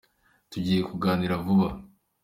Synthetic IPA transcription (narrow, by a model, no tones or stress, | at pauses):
tuɟiːje̞kuɡaːniɾavuβa